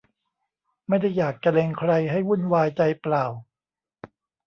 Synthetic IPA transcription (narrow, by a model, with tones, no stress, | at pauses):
ma˥˩jda˥˩jːaː˨˩k̚t͡ɕa˧le˧ŋkʰɾa˧jɦa˥˩jwu˥˩nwaː˧jt͡ɕa˧jplaː˨˩w